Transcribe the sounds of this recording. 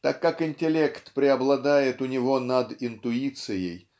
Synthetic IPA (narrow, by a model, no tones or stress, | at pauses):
t̪akːakɪnʲtʲɪlʲekt̪pɾʲɪɐblˠɐd̪ajɪt̪ʊnʲɪvonɐd̪ɪnt̪ʊit̪sɨjḛj